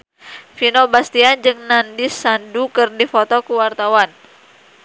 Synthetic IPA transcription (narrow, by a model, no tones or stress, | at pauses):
finobast̪iand͡ʒɨŋnandisːandukɨrdifɔt̪ɔkuwart̪awan